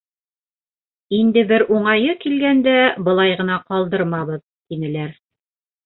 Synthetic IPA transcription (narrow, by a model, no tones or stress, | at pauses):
ind̪ɘbɘɾʔuɴɑjɤkilɡænd̪æbɤ̆lˠɑjʁɤ̆nɑqɒlˠd̪ɤɾmɑβɤð | t̪inɘ̆læɾ